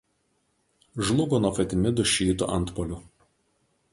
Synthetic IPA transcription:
ʒlˠʊɡoːnɔfɐt̪ʲɪmʲɪd̪ʊʃʲiːt̪ʊ̰ʔɐnt̪pɔlʲʊ

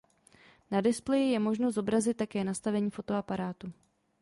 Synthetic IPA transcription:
nadɪsplɛjɪjɛmo̞ʒnozo̞bɾazɪt̪tːakɛːnast̪avɛɲiːfo̞t̪o̞apaɾaːt̪u

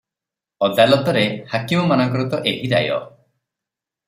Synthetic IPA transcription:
ɔd̪alɔt̪ɔɾehakimɔmanɔŋkɔɾut̪ɔʔeɦiɾa̰jɔ̰

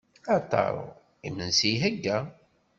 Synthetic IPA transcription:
ɑt̪ˤːɑ̰ɾˤo̰ | imənsiɦəɡːæ

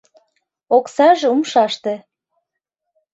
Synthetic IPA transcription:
oksɑʒeumʃɑʃt̪ĕ

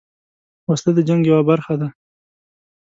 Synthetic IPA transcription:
wast̪ad̪əd͡ʒaŋɡjawabaɾxad̪a

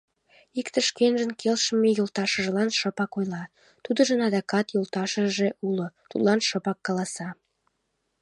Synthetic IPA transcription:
ikt̪ə̆ʃkenʒənkʰelʃəmejolˠt̪ɑʃə̆ʒə̆lɑnʃə̆pɑkojlɑ | t̪ud̪ə̆ʒə̆nɑd̪ɑkɑt̪jolˠt̪ɑʃəʒeʔulot̪ud̪lˠɑnʃəpɑkːɑlɑsɑ

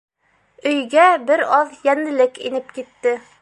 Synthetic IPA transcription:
ɵ̆jɡæbɘɾɑðjænɘ̆lɘkḭnɘp̚kit̪ːɘ

